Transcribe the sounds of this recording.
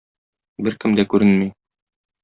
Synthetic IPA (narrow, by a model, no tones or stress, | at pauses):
bɘɾkɘmd̪ækʉɾɘnmi